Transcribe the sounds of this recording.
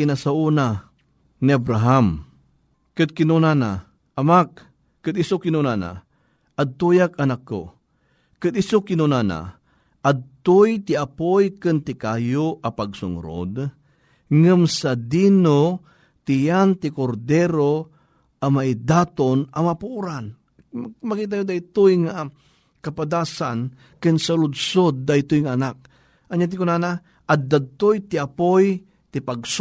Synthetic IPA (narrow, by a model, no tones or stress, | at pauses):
inasauna | niabɾaɦam | kɨd̪̚kɪnunana̰ | ʔɐmak̚ː | ɨd̪ɪsokɪnunana̰ | ɐd̪̚t̪ujak̚ɐnakːo̰ | kɨd̪ɪsokɪnunana̰ | ʔad̪̚t̪ojt̪ɪapojkɨnt̪ɪkajoʔɐpaɡ̚sʊ̰ŋɾo̰d̪ | ŋɨmsɐd̪ino | t̪ɪjant̪ɪkoɾd̪ɛɾo | ʔɐmaʔɪd̪aːt̪onɐmapuʔuɾan | mɐkiːt̪̬ajod̪ajt̪ojŋa | kɐpad̪aːsan | kɨnsɐlʊd̪sod̪̚ːajt̪ʊjŋaɐnak̚ | ʔɐɲaːt̪ɪkonaːna | ʔɐd̪̚d̪ad̪̚t̪ojt̪ɪɐpoj | t̪ɪpaɡs